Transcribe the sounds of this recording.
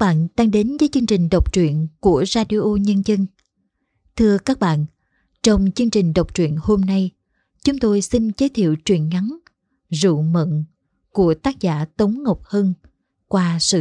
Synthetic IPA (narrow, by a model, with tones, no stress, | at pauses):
ɓa̰ː˧˨nt̪a˧ŋɗe˨˦nvəː˨˦jt͡ɕɨ˧əŋt͡ɕï˨˩ŋ̟ɗə˨˩wk͡p̚t͡ɕwḭ˧˨ənku˧˩əzaː˧ɗi˧ʔo˧ɲə˧nzə˧n | t̪ʰɨ˧əkaː˦˥k̚ɓa̰ː˧˨n | t͡ɕɔ˧wŋ͡mt͡ɕɨ˧əŋt͡ɕï˨˩ŋ̟ɗə˨˩wk͡p̚t͡ɕwḭ˧˨ənho˧mna˧j | t͡ɕʊ˨˦ŋ͡mt̪o˧jsi˧nt͡ɕə˨˦jt̪ʰḭ˧˨əwt͡ɕwḭ˧˩˨ənŋa˨˦n | zṵ˧˨mə̰˧˨n | ku˧˩ət̪aː˦˥k̚zaː˧˩t̪ə˨˦wŋ͡mŋə˨˩wk͡p̚həː˧n | kwaː˧sɨ̰˧